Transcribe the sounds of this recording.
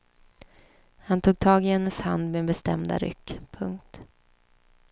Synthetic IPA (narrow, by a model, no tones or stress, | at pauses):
hant̪ʰuːɡ̚t̪ʰɑːɡɪhɛnːəsha̰nd̪mɛːnbɛst̪ɛmd̪a̰ɾʏ̰kːpʰɵŋk̚t̪